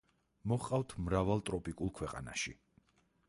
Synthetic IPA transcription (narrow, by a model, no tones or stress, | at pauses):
mɔχqʼavt̪ʰmɾavalˠt̪ʼɾɔpʼikʼulˠkʰwɛqʼa̰na̰ʃi